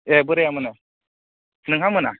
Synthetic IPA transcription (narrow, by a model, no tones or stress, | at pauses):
ebuɾejamuna | niŋhamuna̰